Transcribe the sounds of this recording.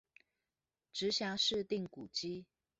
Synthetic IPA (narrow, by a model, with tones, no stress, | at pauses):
ʈ͡ʂɻ̩˧˦ɕja˧˥˦ʂɻ̩˥˧t̪i˥˩ŋku˨˩t͡ɕi˥